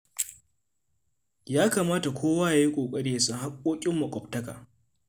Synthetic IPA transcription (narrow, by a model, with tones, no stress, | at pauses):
jaː˦kaː˨maː˦ta˨kʷoː˦waː˦ja˨ji˦kʷʼoː˨kʼɐ˦ɽe˦ja˨su˨ha˦kʷʼːoː˦kʲʼɪ˦mːu˨kʷʼɔ˨ptɐ˦ka̰ː˨